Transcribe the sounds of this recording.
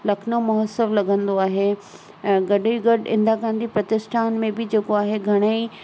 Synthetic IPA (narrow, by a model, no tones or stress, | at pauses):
lɐkʰnomɐɦəsəʋlɐɡʱə̃nd̪oaːɦẽ | ɡɐɗiɡɐɖɪ̰̃nd̪aɡãːn̆d̪ipɾɐt̪ɪsʈʰaːnmẽbɪd͡ʑeːkoaːɦeɡʱɐɽ̃əi